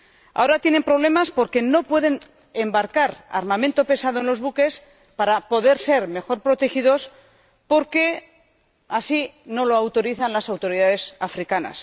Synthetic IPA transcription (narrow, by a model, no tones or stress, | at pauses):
a̰o̞ɾat̪je̞ne̞mpɾo̞β̞le̞maspo̞ɾke̞no̞pwe̞ðe̞n | embaɾkaɾa̰ɾmamẽ̞nt̪o̞pe̞sað̞oe̞nlo̞zβuke̞s | paɾapo̞ðe̞ɾse̞ɾme̞xo̞ɾpɾo̞t̪e̞xiðo̞s | po̞ɾke̞ | asino̞loawt̪o̞ɾiθanlasawt̪o̞ɾiðaðe̞safɾikana̰s